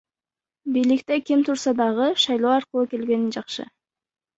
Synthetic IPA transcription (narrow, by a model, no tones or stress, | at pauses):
bijlik̚t̪e̞kʲimt̪ʰʊɾsɑd̪ɑʁɯʃɑjlˠoːɑɾqəlˠuke̞lɡe̞nind͡ʒɑqʃɯ̰